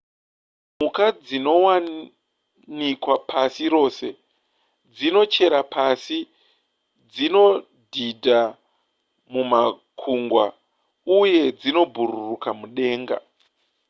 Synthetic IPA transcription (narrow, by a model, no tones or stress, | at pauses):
mukad͡zino̞wa | nikwapʰasiɾo̞ːse̞ | d͡zino̞t͡ʃe̞ɾapʰasi | d͡zino̞ | dʱidʱa | muma | kʰuŋɡwa̰ | uje̞d͡zino̞bʱururukamuɗe̞ːŋɡa̰